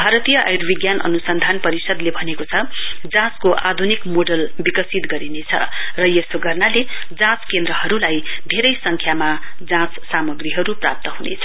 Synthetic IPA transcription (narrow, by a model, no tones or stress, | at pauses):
bʱaɾʌt̪ijʌʔa̰jɾbiɡjanʔʌ̰nusʌnd̪ʱanpʌɾisʌd̪lebʱʌnekot͡sʰʌd͡zãskoʔad̪ʱunikmoɖʌlbikʌsit̪ɡʌɾinet͡sʰʌ̰rʌjesoɡʌrnaled͡zãt͡skend̪ɾʌɦʌɾulajb̪ʱeɾʌjsʌŋkʰjamad͡zãt͡ssamʌɡriɦʌɾupra̰p̚t̪ʌɦunḛt͡sʰʌ̥